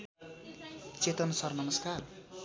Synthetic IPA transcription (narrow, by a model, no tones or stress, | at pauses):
t͡set̪ʌnʌsʌrnʌmʌskar